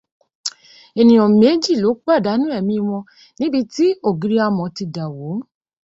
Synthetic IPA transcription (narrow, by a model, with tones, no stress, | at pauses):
e˨nĩ˨j̃ɔ̃˨me˨˦d͡ʒi˦˨lo˨˦k͡pa˦˨da˨˦nũ˦ɛ˦˨mĩ˧i˧w̃ɔ̃˧ | nĩ˦bi˧ti˦o˦˨ɡi˨˧ɾi˧˦a˧mɔ̃˨ti˧da˨wo˨˦